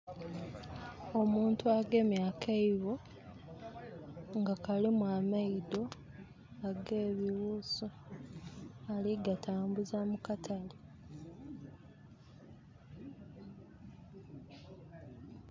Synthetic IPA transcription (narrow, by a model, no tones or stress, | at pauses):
o̞muːntuaɡe̞ːmjaːkʰeiβo̞ | ŋɡakalimwamaido̞ | aɡe̞ːβiwuːzo | aliɡatʰaːmbuzamukatʰali